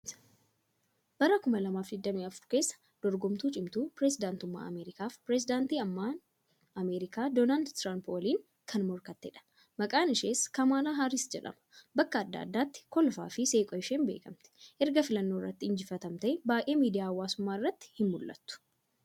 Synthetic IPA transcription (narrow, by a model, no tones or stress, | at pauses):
bɐɾɐkʊmɐlɐmaːfd̪ɪd̪ːɐmiːɐfʊɾke̞ːsːɐ̥ | d̪̥ɔɾɡɔmt̪uːt͡ʃʼɪmt̪uːpɾesɪd̪aːnt̪ʊmːa̰ːʔɐ̰meːɾɪkaːfpɾɛs̬ɪd̪aːnt̪iːɐmːaːn | ʔɐmeːɾɪkaːd̪oːnald̪t̪ɾampoliːŋ | kʰɐnmɔɾkɐt̪ːɛᶑɐ̥ | mɐkʼaːnɪʃeːskɐmaːlaːɦaːɾɪsd͡ʒɛᶑɐ̰mɐ̥bɐkːɐːd̪ːa̰ːd̪ːaːt̪ːɪ̥kɔlfa̰ːfɪseːkʼɔjɪʃeːnbe̞̰ːkɐmt̪ɛ̥ʔɛɾɡɐfɪlɐnːo̞ːɪrːɐ̰t̪ːɪɪɲd͡ʒɪfɐt̪ɐmt̪ɐɛbaːʔeːmiːd̪ɪjaːɐwːaːsʊmːaːɪrːɐt̪ːɪ̥hɪnmʊlʔɐ̰t̪ːʊ̥